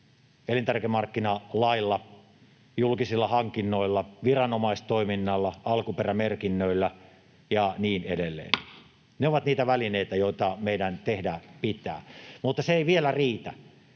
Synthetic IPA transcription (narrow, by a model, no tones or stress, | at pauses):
elint̪ærkemɑrkːinɑlɑilːɑ | julkisilːɑhɑŋkinːoilːɑʋirɑnomɑist̪oiminːɑlːɑɑlkuperæmerkinːøilːæ | jɑniːnedelːḛːn | neoʋɑt̪niːt̪æʋælineit̪æjoit̪ɑmeidænt̪ehdæːpit̪æ̰ːmut̪ːɑseeiʋielæriːt̪æ̰